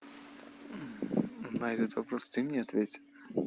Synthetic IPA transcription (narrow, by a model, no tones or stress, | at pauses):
najd̪ɛt̪vɐpɾɔst̪ɨmnʲiɐt̪vʲet͡sʲɪ̥t̪